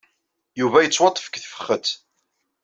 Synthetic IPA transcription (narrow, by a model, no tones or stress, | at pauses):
juvæjət͡sːwɑt̪ˤːə̥fə̥kθfə̥χːət̪